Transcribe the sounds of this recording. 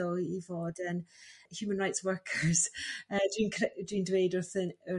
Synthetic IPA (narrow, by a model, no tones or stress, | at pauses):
əivɔːdəmhjuːmə̃nɹaɪjtswɜ˞kʰəɹz̥əd̥wiːnkʰɛdwiːndɹeːdɔɹθənə